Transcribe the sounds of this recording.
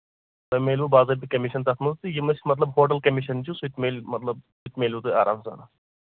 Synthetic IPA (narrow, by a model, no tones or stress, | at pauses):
tɐjmeːlʲubaːzɐːɾb̪ikɐmiʃɐnt̪ɐt̪mɐzt̪ɨjimɐsmɐt̪lɐbɦoːʈɐlkɐmiʃɐnt͡ʃusut̪meːlʲmɐt̪lɐb̚sut̪meːlʲut̪ɨaːɾʔa̰ːmsa̰na